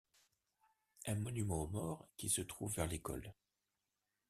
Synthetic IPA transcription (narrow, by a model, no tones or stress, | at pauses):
ɛ̃mɔnymɑ̃omɔːʁkʲisət̪χuvːɛʁlekɔ̰l